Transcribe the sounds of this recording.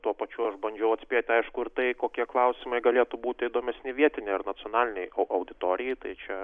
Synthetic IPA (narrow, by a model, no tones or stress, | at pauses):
t̪uɔpɐt͡ʃʲuɐʃbɐnʲd͡ʒʲɛʊɐt̪sʲpʲeːt̪ʲɐɪʃkʊɪɾt̪ɐɪkoːkʲiɛklˠɐʊsʲɪmɐɪɡɐlʲeːt̪ʊbuːt̪ʲɪid̪oːmʲɛsʲnʲɪʋʲiɛt̪ʲɪnʲɛɪɐrnɐt͡ssʲɪonɑːlʲɪnʲɛɪɐʊʔɐʊd̪ʲɪt̪oːɾʲɪjɛt̪ɐɪt͡ʃʲɛ